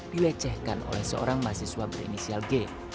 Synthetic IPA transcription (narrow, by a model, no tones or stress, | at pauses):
d̥iwɛt͡ʃɛhkano̰lɛhsəo̰ɾaŋmasihswabəɾḭnisialɡe